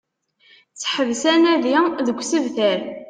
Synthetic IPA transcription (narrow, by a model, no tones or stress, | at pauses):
t͡sːħəvsænæðiðəɡʷsəvθəɾ